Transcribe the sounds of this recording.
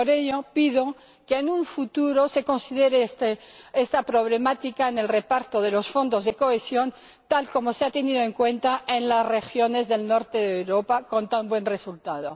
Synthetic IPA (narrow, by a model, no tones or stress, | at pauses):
poɾe̞ʎo̞piðo̞ | keːnũɱfut̪uɾo̞se̞ko̞nsiðe̞ɾest̪eest̪apɾo̞β̞le̞mat̪ikaene̞lre̞paɾt̪oð̞e̞lo̞sfo̞nd̪o̞zðe̞ko̞esjo̞n | t̪alko̞mo̞seat̪eniðo̞e̞ŋkwe̞nt̪aʔenlazre̞xjo̞ne̞zðe̞lno̞ɾt̪e̞ðewɾo̞pako̞nt̪ambwẽ̞nre̞sult̪að̞o̞